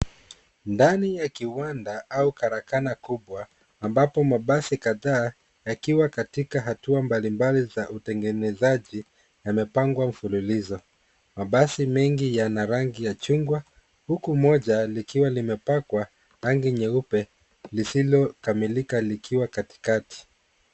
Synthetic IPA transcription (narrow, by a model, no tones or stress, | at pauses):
ndanijakiwandaaukaɾakanakuɓwaː | mbapɔmaɓasikaðaː | jakiwakatikaɦatuambalimbalizaʔutɛŋɡɛnɛzaʄi | jamɛpaŋɡwam̩fululizɔ | maɓasimɛŋɡijanaɾaŋɡijat͡ʃuŋɡwa | hukumɔʄalikiwalimɛpakwa | ɾaŋɡiɲɛupɛ | lisilɔkamilikalikʰiwakati̥kati̥